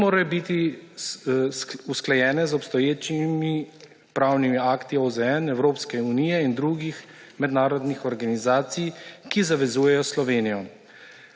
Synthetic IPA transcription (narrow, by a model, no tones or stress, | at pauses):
oːɾajɔbit̪i | usklajɛːnɛzɔpst̪ɔjeːt͡ʃimi | pɾaːwnimiaːkt̪iozɛɛnɛwɾoːpskɛuniːjɛind̪ɾuɡix | mɛd̪naːɾɔd̪nixɔɾɡanizaːt̪sijkizaʋɛzuːjɛjɔslɔʋeːnijɔ